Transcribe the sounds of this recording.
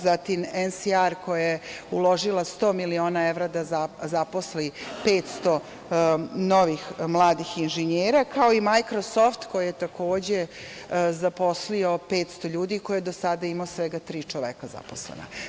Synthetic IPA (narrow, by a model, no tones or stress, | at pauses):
zat̪imensiaɾko̞jajeulˠo̞ʒilast̪o̞ːmilio̞ːnae̞ʋɾad̪aazapo̞slipeːt̪st̪o̞ | no̞ʋixmlˠaːd̪ixinʒiɲeːɾakʰao̞imajkɾosoft̪kojajet̪akʰo̞ːd͡ʑe | zapo̞slio̞pe̞ːt̪st̪o̞ʎuːd̪ikojed̪o̞sad̪aimaosʋeɡat̪ɾiːt͡ʃoʋekaza̰poslḛna̰